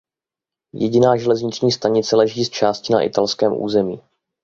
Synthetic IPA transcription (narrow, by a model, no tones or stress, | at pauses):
jɛɟɪnaːʒɛlɛzɲɪt͡ʃɲiːst̪aɲɪt͡sɛlɛʒiːst͡ʃaːscɪna̰ʔɪ̰t̪alskɛːmʔṵːzɛmiː